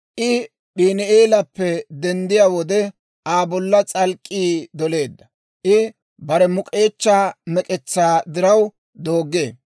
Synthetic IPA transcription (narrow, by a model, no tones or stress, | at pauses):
ʔɪ | ɗiːnɪeːlɐpːɛd̪ɛnd̪ɪjaːwɔd̪ɛ | aːbɔlːɐt͡sʼɐlkʼːiːd̪ɔle̞ːd̪ːɐ | ʔɪ | bɐɾɛmʊkʼe̞ːt͡ʃːaːmɛkʼɛt͡sːaːd̪ɪɾɐw | d̪o̞ːɡe̞ː